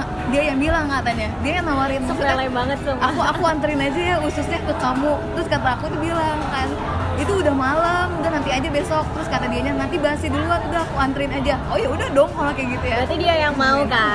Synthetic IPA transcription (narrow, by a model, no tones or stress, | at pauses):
diajaŋbilaŋkat̪aɲadiajaŋnawaɾɪnssuaalaibaŋət̪ːʊakuakuant̪əɾɪnad͡ʒajahusʊsɲakəkamʊt̪əɾʊskat̪aːkut̪ubilaŋkan | it̪uːdahmalamd̪anant̪iad͡ʒabesɔk̚t̪əɾʊskat̪adiaɲanant̪ibasiduluat̪udahakuant̪əɾɪnad͡ʒaojaudahdɔŋalakaɡit̪ujabɾat̪idiajaŋmauka